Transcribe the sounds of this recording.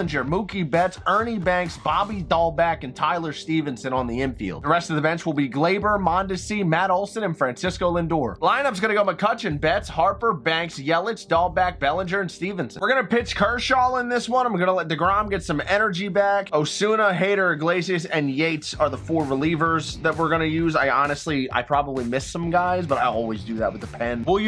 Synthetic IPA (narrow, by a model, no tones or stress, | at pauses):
ə̃nd͡ʒə˞mukibɛtsɜ˞nibæ̃ŋksb̥ɑbidɔlˠbækɨ̃ntʰaɪlˠə˞stivɨ̃nsɨ̃nə̃nðiɪ̃ɱfḭlˠd̚ðəɹɛstʌvðəbɛ̃nt͡ʃwəlˠbiɡleɪbə˞mɑ̃ndɨsimæɾoʊlˠsɨ̃nɨ̃nfɹæ̃nsɪskoʊlɪ̃ndɔɹlãɪ̃nʌpsɡʌñɨɡoʊmɨkʰʌt͡ʃɨ̃nbɛtshɑɹpə˞bæ̃ŋksjɛlˠɨt͡ʃd̥ɑlˠbæk̚b̥ɛlˠə̃nd͡ʒə˞ɨ̃nstivɨ̃nsɨ̃wɨɹɡʌnɨpʰɪt͡ʃkʰɜ˞ʃɔlˠə̃nðɪswʌ̃nãɪ̃mɡʌnəlɛt̪̚ðɨɡɹɑ̃mɡɛtsʌ̃mɛnə˞d͡ʒibækoʊsʉnəɦeɪɾə˞ɨɡleɪsiɨsɨ̃njeɪtsə˞ðəfɔɹɹəlivə˞zðət̚wəɹɡʌnɨjʉzaɪɑnɨstˡlia̰ɪpʰɹ̥ɑbəblimɪsʌ̃mɡaɪzbʌɾaɪɔ̰lˠwizdɨðə̰t̚wɨðəpʰɛ̃nwɪlˠj